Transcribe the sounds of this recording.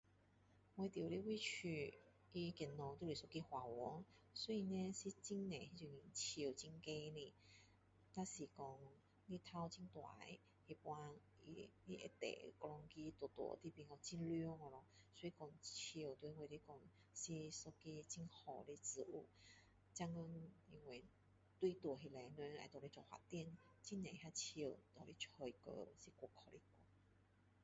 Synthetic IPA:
ŋwe˧t̪ji˨˩li˦wi˧t͡ɕʰy˧˩ | i˦kɛ˧˩nnɔ˨t̪u˧˨li˨sɔ˧ki˧hwa˨˩wɔ˨˦ | sɔ˧˦i˧nẽ˦si˧t͡ɕi˦˥ŋnẽ˨hi˧t͡ɕi˧˩i˧˩nt͡ɕʰt͡ɕi˧ŋke˦ni˧˩ | t̪a˦si˨˩kɔ˧ŋ | li˦t̪ʰa˦wt͡ɕi˦˥ŋt̪wa̰˨˦j | hi˧˩pwã˧ŋ | ḭ˧li˦˧ʔḛ˧t̪ḛ˨kɔ˧lɔ˧ŋki˦t̪wɔ˨˩t̪wɔ̰˨˩˦t̪i˧˦pi˧˨nɔ˧˩t͡ɕi˧˦nljɔ˦ŋɔ˧lɔ˧˩sɔ˧˦i˧kɔ˧ŋt͡ɕʰi˧˨˩wt̪wu˧˦˧ŋwe˨le˧kɔ˧ŋ | si˧sɔ˧ke˧˦˧t͡ɕi˧nhɔ˨˩le˧t͡sɹ̩˧ʔṵ˧˩ | t͡ɕa˧ŋə˧ni˧ŋwe˧˩ | t̪wi˧t̪wɔ˨˩ɦe˨˧le˨˧ne˧a̰˨t̪ɔ˨˩le˦t͡ɕɔ˧˩hwa̰˨t̪ɛ˥˧˨n | t͡ɕi˦nã˨ɦa˧t͡ɕʰə˧˨˩t̪ɔ˨li˦t͡ɕʰɔ˧˩i˨˧kə̰˧si˧kʷɔ˨˧˩kʰɔ˨˧˩le˧˦kɔ˧˦ŋ

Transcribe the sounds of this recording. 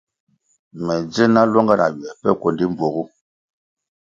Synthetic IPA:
mɛ˨d͡zə˦na˦lwɔ˦ŋɡa˦˨na̰˨ɥɛ˨pɛ˦kwɔ˨ndi˦m˦b͡vwɔ˨ɣu˦

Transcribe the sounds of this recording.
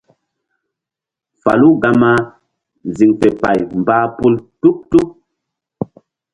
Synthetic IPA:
fa̰˨lu˦ɡa˦ma˦˨ | zi˨ŋfe˨pa̰˨jmbaː˦pu˦ltu˦k̚tu˦k̚

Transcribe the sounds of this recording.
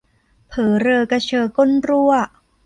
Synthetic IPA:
pʰɤː˩˦ɾɤː˧ka˧t͡ɕʰɤː˧ko˥˨nɾu˥˩ɐ

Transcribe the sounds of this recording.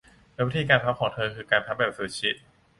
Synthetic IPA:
lːwi˦˥t̪ʰiː˧kaː˧npʰa˦˥kʰɔː˩˦ŋt̪ʰɤː˧kʰɯː˧kaː˧npʰa˦˥bɛː˨˩p̚səː˨˧˩t͡ɕʰi˦˥t̪̚

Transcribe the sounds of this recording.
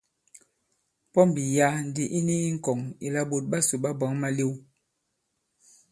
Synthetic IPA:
pɔ˦m̩˨bi˨ja˦n˨di˨ʔi˦ni˦i˦ŋ̩˦kɔ˨ŋḭ˨la˦bo˨t̚ɓa˦su˨ɓa˦bɔ˨˦ŋma˦le˦w

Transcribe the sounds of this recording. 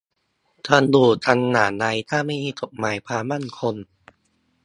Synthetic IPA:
t̪ʰa˧˥nd̪uː˧˩t͡ɕ̪ʰa˧nːaː˩˦na˧jt̪ʰaː˥˩ma˥˩jmiː˧˩t͡ɕ̪o˨˩k̚maː˨˩˦jpʰaː˧maː˥˨nkʰo˧n

